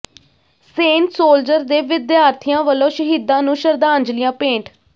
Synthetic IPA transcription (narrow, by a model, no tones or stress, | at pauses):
sẽːɳʈsoːld͡ʒəɾd̪eːʋɪd̪jaːɾt̪ʰɪjãːʋəlõːʃəɦiːd̪ãːnũːʃəɾd̪aːnd͡ʒlɪjãːpẽːɳʈʰ